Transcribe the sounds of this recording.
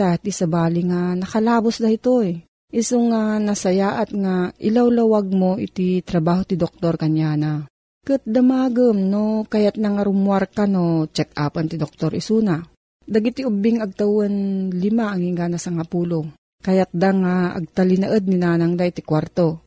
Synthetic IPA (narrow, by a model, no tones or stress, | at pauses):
at̪isɐbaːlɪŋanɐkɐlaːbosd̪ɐhit̪oj | ʔɪsoŋanɐsɐjaːʔat̪̚ŋaʔɪ̰lawlɐwaɡ̚moʔɪ̰t̪it̪ɾɐbaːɦot̪ɪd̪ok̚t̪oɾkɐɲjaːna | kɨt̪̚d̪ɐmaːɡəmnokajat̪̚naŋɐɾʊmwaɾkanot͡ʃɛk̚ʔaːpant̪ɪd̪ok̚t̪oɾʔɪsuːna | d̪ɐɡit̪iʊbiŋɐɡ̚t̪ɐwɐnlɪmaʔɐŋiŋɡanasɐŋapuːlo | kajat̪̚d̪aŋaʔɐ̰ɡ̚t̪alɪnɐʔəd̪̚ninaːnaŋd̪aʔit̪ikwaɾt̪o̞